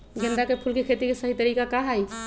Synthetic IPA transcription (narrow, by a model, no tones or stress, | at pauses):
ɡẽnd̪akepʰulkekʰet̪ikesəɦit̪əɾikakaɦaj